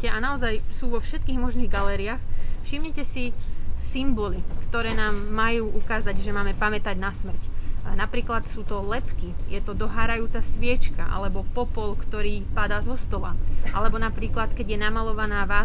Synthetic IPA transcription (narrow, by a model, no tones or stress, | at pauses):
ɛʔanaɔzajsuːʋɔfʃɛt̪̚kiːɣmɔʒniːɣɡalɛːɾiaːxfʃimɲɛcɛsisimbɔlikt̪ɔɾɛːnaːmːajuːʔukaːzaɟʒɛmaːmɛpamɛt̪aɟnasmr̩cnapɾiːklat̪suːt̪ɔlɛpkijɛt̪ɔd̪ɔɦaːɾajuːt͡sasʋɪɛt͡ʃkaʔa̰lɛbɔpɔpɔlkt̪ɔɾiːpad̪aːzɔst̪ɔla̰ʔalɛbɔnapɾiːklat̪kɛɟjɛnamalɔʋanaːʋaː